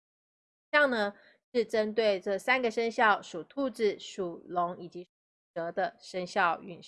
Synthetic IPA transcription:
jɑ˥˩ŋnə˧ | ʂɻ̩˥˩ʈ͡ʂə˥nt̪we˥˩ɪʈ͡ʂɤ˥˩sa˥nɡə˨ʂə˥ŋɕjɑ˥˩ʊʂu˨˩t̪ʰu˥˧ʈ͡ʂɻ̩˥˩ʂu˨˩lʊ˧˥ŋi˨˩t͡ɕi˧˥˨ʈ͡ʂɤ˧˥d̪ə˧ʂə˥ŋɕjɑ˥˩ʊy̰˨˩n

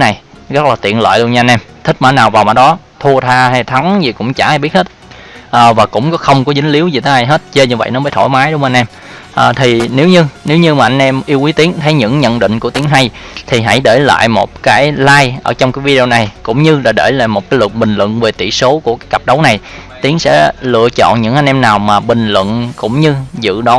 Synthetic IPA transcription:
na˨˩jzə˦˥t̚laː˨˩t̪ḭ˧˨ənlə̰ː˧˨jlu˧ənɲa˧nʔɛ˧mt̪ʰï˦˥k̟̚maː˨˦naː˨˩wvaː˨˩wmaː˧˩˥ɗɔ˨˦ | t̪ʰu˧ət̪ʰaː˧ɦa˧jt̪ʰa˨˦ŋzi˨˩kʊ̰˧˥ŋ͡mt͡ɕaː˧˩ha˧jɓi˦˥ət̚he˦˥t̚ʔəː˨˩vaː˨˩kʊ̰˧˥wŋ͡mkɔ˨˦xə˧wŋ͡mkɔ˨˦zï˨˦ŋ̟li˨˦əwzi˨˩t̪ʰe˨˦a˧jɦe˦˥t̚t͡ɕe˧ɲɨ˧və̰˧˨jnɔ˨˦məː˨˦jt̪ʰo˧˩jmaː˨˦jɗʊ˨˦ŋ͡mʔa˧nʔɛ˧m | ʔəː˨˩t̪ʰi˨˩ne˨˦wɲɨ˧ne˨˦wɲɨ˧maː˨˩ʔa˧nʔɛ˧mʔi˧əwʔi˨˦t̪i˨˦ənt̪ʰə˨˦jɲɨ̰˧˥ŋɲə̰˧˨nɗḭ̈˧˨ŋ̟ku˧˩ət̪i˨˦əŋɦa˧jt̪ʰi˨˩ɦa̰˧˥jɗe˧˩la̰ː˧˨jmo̰˨˩t̚kaː˨˦jlaː˧jʔəː˧˩t͡ɕɔ˧wŋ͡mkaː˨˦jvi˧i˧o˧na˨˩jkʊ̰˧˥ŋ͡mɲɨ˧laː˨˩ɗe˧˩la̰ː˧˨jmo˨˩t̚kaː˨˦lɨ˨˩t̚ɓï˨˩ŋ̟lwə̰˧˨nve˨˩t̪ḭ˧˨so˨˦ku˧˩əkaː˨˦jka˨˩p̚ɗə˨˦wna˨˩jt̪i˨˦əŋsɛ̰˧˥lɨ̰˧ət͡ɕɔ̰˧˨nɲɨ̰˧˥ŋʔa˧ŋ̟ʔɛ˧mnaː˨˩wmaː˨˩ɓï˨˩ŋ̟lwə̰˧˨nkʊ̰˧˥ŋ͡mɲɨ˧zɨ̰˧˨ɗɔ˨˦

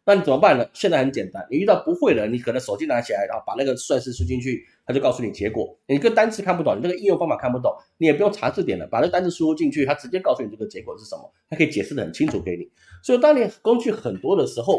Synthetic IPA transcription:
na˥˩ni˨˩t͡sə˨˩mə˦pa˥˩nlə˩ɕjɛ˥˧t͡sa˥˩ɪxə˧˦nt͡ɕjɛ˨˩nt̪a˥nni˨˩y˥˧t̪ɑ˥˩ʊpu˧˥xwe˥˩ɪlə˩ni˨˩kʰnə˧˦ŋʂo˨˩ʊt͡ɕi˥na˧˥t͡ɕʰi˨˩a˧˥ɪɻa˧˥xo˥˩pa˨˩na˥˩ɡə˩swa˥˧nʂɻ̩˥˧ʂu˥t͡ɕi˥˧ŋnt͡ɕʰy˥˩t̪ʰa˥t͡ɕjo˥˧kɑ˥˧ʊsu˥˩ni˨˩t͡ɕjɛ˧˥kwɔ̰˨˩˦ni˨˩kə˥˧t̪a˥nt͡sʰɹ̩˥˧kʰa˥˩np̪ni˨na˥˩ɡə˧i˥˧jo˥˧ŋfɑ˥ŋfa˨˩kʰa˥˩npu˧t̪̬o˥˩ŋni˧˥jpu˧˥jo˥˩ŋʈ͡ʂʰa˧˥t͡s̩˥˩t̪jɛ˨˩nlə̰˦pa˨˩n˥˩t̪a˥nt͡s̩ʰ˥˧ʂu˥u˥t͡ɕi˥˧ŋt͡ɕʰy˥˩t̪ʰa˥ʈ͡ʂɻ̩˧˥t͡ɕjɛ˥kɑ˥˧ʊsu˥˩ni˨˩ʈ͡ʂə˥˩ə˩t͡ɕjɛ˧˥kwɔ˨˩ʂɻ̩˥˩ʂə˧˥mə̰˧˩t̪ʰkʰi˨˩t͡ɕjɛ˨˩ʂɻ̩˥˩ə˩ə˨˩nt͡ɕʰi˥ŋʈ͡ʂʰu˨˩ke˧˥ɪnḭ˨˩˦ | swi˨˩t̪ɑ˥ŋni˨˩ko˥ŋt͡ɕy˥˩xə˨˩nt̪wɔ˥d̪ə˨ʂɻ̩˧˥xo˥˩ʊ

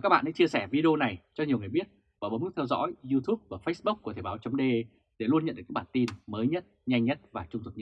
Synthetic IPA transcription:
kaː˦˥k̚ɓa̰ː˧˨ʔa̰˧˥t͡ɕi˧əsɛ˧˩vi˧ɗe˧o˧na˨˩jt͡ɕɔ˧ɲi˨˩əwŋɨ˨əjɓi˦˥ət̚ | ɓaː˧˩ɓə˨˦nmɨ˦˥t̪ʰɛ˧wzɔ̰˧˥jzi˧t̪ʰu˦˥p̚vaː˨˩fə˦˥jsɓu˦˥k͡p̚kːt̪ʰe˧˩ɓaː˨˦wt͡ɕɔ˨˦ŋ͡mɗe˧ | ɗe˧˩lu˧ənɲə̰˧˨ɗɨ˨˩kːaː˨˦˥ɓaː˧˩nt̪i˧nməː˨˦jɲə˦˥t̚ɲa˧jŋɲə˦˥t̚vaː˨˩t͡ɕʊ˧ŋ͡mt̪ʰu˨˩ɲə˦˥

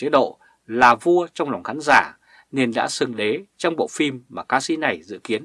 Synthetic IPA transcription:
t͡ɕe˨˦ɗo̰˧˨ | laː˨˩vu˧ət͡ɕɔ˧wŋ͡mlɔ˨˩wŋ͡mxaː˨˦nzaː˧˩ | ne˨˩ənɗa̰ː˧˥sɨ˨˩ŋɗe˨˦t͡ɕɔ˧wŋ͡mɓo̰˧˨fi˧mːaː˨˩kaː˧sḭ˧˥na˨˩jzɨ̰˧˨ki˨˦ən

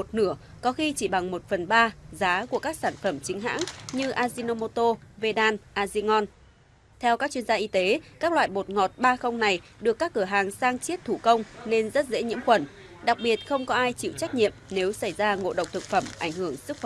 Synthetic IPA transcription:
mo˨˩t̚nɨ˧˩ə | kɔ˨˦xi˧t͡ɕi˧˩ɓa˨˩ŋmo˨˩t̚fə˨˩nɓaː˧zaː˨˦ku˧˩əkaː˦˥k̚saː˧˩nfə˧˩mt͡ɕï˨˦ŋ̟ɦa̰ː˧˥ŋɲɨ˧ʔaː˧zi˧no˧mo˧t̪o˧ve˧ɗaː˧nʔaː˧zi˧ŋɔ˧n | t̪ʰɛ˧wkaː˦˥k̚t͡ɕwi˧ənzaː˧ʔi˧t̪e˨˦kaː˦˥k̚lwa̰ː˧˨jɓo˨˩t̚ŋɔ˨˩t̚ɓaː˧xə˧wŋ͡mna˨˩jɗɨ˨˩əkːaː˦˥k̚ːɨ˧˩əɦaː˨˩ŋsaː˧ŋt͡ɕi˦˥ət̚t̪ʰu˧˩kə˧wŋ͡mne˧nzə˦˥t̚zḛ˧˥ɲḭ˧˥əmxwə˧˩n | ɗa˨˩k̚ɓi˨˩ə˩t̚xə˧wŋ͡mkɔ˨˦ʔaː˧jt͡ɕḭ˧˨wt͡ɕa˦˥k̟̚ɲḭ˧˨əmne˨˦wsa˧˩jzaː˧ŋo̰˧˨ɗə˨˩wk͡p̚t̪ʰɨ˨˩k̚fə˧˩mʔa˧˩jŋ̟hɨ˧˩əŋsɨ˦˥k̚x

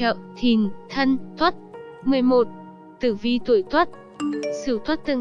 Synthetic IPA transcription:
ə̰ː˧˨t̪ʰi˨˩nt̪ʰə˧nt̪ʰwə˦˥t̚mɨ˨˩əjmo˨˩t̚ | t̪ɨ˧˩vi˧t̪u˧˩əjt̪ʰwə˦˥t̚ | sɨ˧˩˦t̪ʰwə˦˥t̚t̪ɨ˧˨

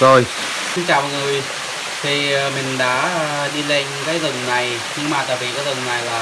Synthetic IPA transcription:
zo˧j | sɨ˧˦ŋt͡ɕaː˨˩wŋɨ˨˩j | t̪ʰi˨˩˨mï˨˩ŋ̟ɗa̰ː˧˥˨ɗi˧le˧ŋkaː˨˦jzə˨˩ŋna˨˩j | ɲɨ˧ŋmaː˨˩t̪a̰ː˨jvi˨˩kaː˨˦jzə˨˩ŋna˨˩jlaː˨˩

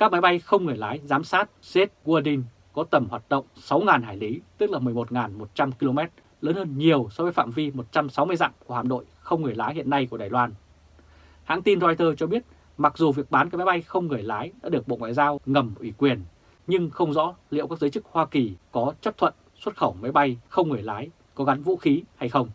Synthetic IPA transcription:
kaː˦˥k̚ma˨˦jɓa˧jxə˧wŋ͡mŋɨ˨˩əjlaː˨˦jzaː˨˦msaː˦˥t̚se˦˥t̚ɣu˧ə˧ɗi˧ŋ | kɔ˨˦t̪ə˧˩mhwaː˨˩t̚ɗə̰˧˨wŋ͡msa˨˦wŋaː˨˩nɦaː˧˩jli˨˦t̪ɨ˦˥k̚la˨˩mɨ˨˩əjmo˨˩t̚ŋaː˨˩nmo˨˩t̚t͡ɕa˧mki˧lo˧mɛ˦˥t̚ | ləː˨˦nhəː˧nɲi˨˩əwsɔ˧və˨˦jfa̰ː˧˨mvi˧mo˨˩t̚t͡ɕa˧msa˨˦wmɨ˧əjza̰ː˧˨ŋku˧˩əha̰˧˨˩nɗo̰˧˨jxə˧wŋ͡mŋɨ˨˩əjlaː˨˦jhḭ˧ənːa˧jku˧˩əɗaː˨˩jlwaː˧n | ha̰˧˥ŋt̪i˧nzɔ˧jt̪əː˧t͡ɕɔ˧ɓi˦˥ət̚ | ma˨˩k̚zu˨˩vi˨˩ək̚ɓaː˨˦nkːma˨˦jɓa˧jxə˧wŋ͡mŋɨ˨˩əjlaː˨˦jɗa̰ː˧˥ɗək̚ɓo̰˧˨ŋwa̰ː˧˨jzaː˧wŋə˨˩mʔwi˧˩kwi˨˩ən | ɲɨ˧ŋxə˧wŋ͡mzɔ̰˧˥lḭ˧˨əwkaː˦˥k̚zə˨˦jt͡ɕɨ˦˥k̚hwaː˧ki˨˩kɔ˨˦t͡ɕə˦˥p̚t̪ʰwə̰˧˨n | swə˦˥t̚xə˧˩wma˨˦jɓa˧jxə˧wŋ͡mŋɨ˨˩əjlaː˨˦j | kɔ˨˦ɣa˨˦nvṵ˧˥xi˨˦ha˧jxə˧wŋ͡m

